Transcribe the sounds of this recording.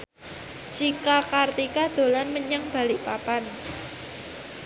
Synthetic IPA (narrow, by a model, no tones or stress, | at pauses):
d͡ʒ̥ikakart̪ikad̪̥o̤lanməɲaŋb̥a̤lɪʔpapan